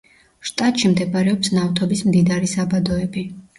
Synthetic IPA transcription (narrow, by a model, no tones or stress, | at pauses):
ʃt̪ʼat̪ʼʃimd̪ɛbɾɛɔpsnavt̪ʰɔbismd̪id̪aɾisabad̪ɔɛbi